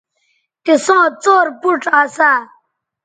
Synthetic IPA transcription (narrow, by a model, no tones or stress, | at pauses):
t̪isõːt͡soːɾpuʈaːsa